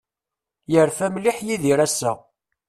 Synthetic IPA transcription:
jəɾfæmliħjiðiɾæsːæ̰

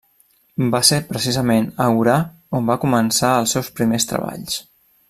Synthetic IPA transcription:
basepɾəsizəmenəwɾa | ombakumənsaəlˠsɛwspɾimest̪ɾə̰βa̰ʎs

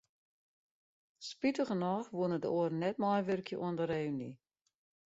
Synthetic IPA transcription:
spitəɣənɔːxʋuənədəoərnɛt̚mɔjʋørkjəʔoəndəreːni

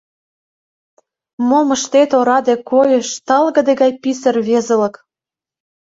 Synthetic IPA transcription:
moməʃt̪et̪oɾɑd̪ekojəʃt̪ɑlɣə̆d̪eɣɑjpisə̆rβezə̆lə̆k

